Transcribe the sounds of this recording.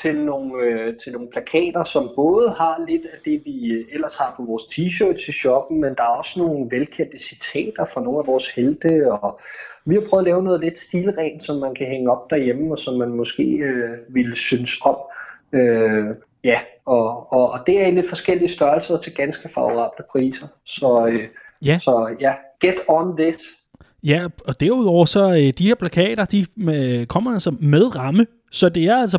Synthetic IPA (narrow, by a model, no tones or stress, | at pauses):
t͡sʰe̝lno̝ːn̩øt͡sʰelno̝ːn̩pʰlækʰɛ̰ːd̥ɐsɒ̽mb̥ɔ̽ːðˠəhɑ̈le̝d̥æd̥e̝ʋiel̰ɐshɑ̈pʰɒ̽ʋɒːst͡sʰiɕø̰ːd̥sʰeɕɒb̥n̩mend̥ɑ̈æɐɒ̽sno̝ːn̩ʋelkʰæ̰pd̥əsit͡sʰḛːd̥ɐfɑ̈no̝ːn̩æʋɒːsheld̥əɒʋihɑ̈pʰʁœːʊðˠlɛːʊənɔ̽ð̞̩ˠle̝d̥sd̥iːlʁɛːnsɒ̽mːænkʰæɦeŋəɒ̽b̥̚d̥æɐjem̩ɒ̽sɒ̽mːænmɒ̽sɡ̥e̝̰ːøʋilsynəsɒ̽m̰ø | jæɒ̽ːd̥e̝æɐinle̝d̥fɒ̽sɡ̥el̰iəsd̥ɶɐlsɐt͡sʰe̝lɡ̥ænsɡ̥əfɑ̈oʁɑ̰̈ːb̥ləpʰʁḭːsɐ | sɒ̽øjæsɒ̽jæɡ̥ed̥ɒnðɪs | jæɒ̽d̥æɐuð̰ˠɒʊ̰ɐsɒ̽ød̥iheɐ̰pʰlækʰɛ̰ːd̥ɐd̥ikʰɒ̽m̰ɐælsɒmeð̞ˠʁɑ̈mə | sɒ̽d̥e̝æɐæls̬ɐ